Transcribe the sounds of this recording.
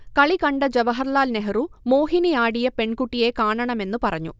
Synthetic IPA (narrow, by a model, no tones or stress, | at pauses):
kɐɭikɐɳɖɐd͡ʑɐʋɐɦɐɾlaːlneɦɐɾumo̞ːɦinijaːɽijɐpe̞ɳkuʈːijeːkaːɳɐɳɐme̞nːupɐrɐɲːṵ